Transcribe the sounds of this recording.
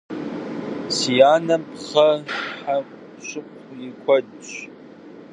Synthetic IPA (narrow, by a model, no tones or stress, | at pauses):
sijaːnɐmpʁɐħa | ɕʊqʷjɪkʷʰɔd | ɕ